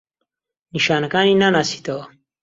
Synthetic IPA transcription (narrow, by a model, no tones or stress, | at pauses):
niʃaːnɐkaːninanaːsi̥t̪ɐwɐ